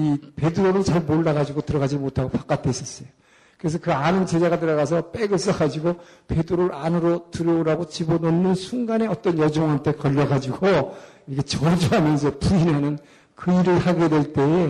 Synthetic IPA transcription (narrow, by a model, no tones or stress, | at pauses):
ipe̞dɯɾoɾɯt͡ɕaɭmoɭːaɡad͡ʑiɡotɯɾʌɡad͡ʑimotʰaɡopak͈at͈ʰeis͈ʌs͈ʌjo | kɯɾe̞s̬ʰʌkɯanɯnt͡ɕe̞d͡ʑaɣat̬ɯɾʌɣas̬ʰʌp͈eɡɯs͈ʌɡad͡ʑiɡope̞dɯɾoɾɯanɯɾotɯɾʌɾaɡot͡ɕibononːɯnsʰuŋɡane̞ʌt͈ʌnjʌd͡ʑoŋɦamtʰe̞kʌʎːʌɡad͡ʑiɡo | iɡet͡ɕʌd͡ʑuɦamjʌns̬ʰʌpuinɦanɯn | kɯiɾɯɭhaɡe̞dwe̞ɭt͈e̞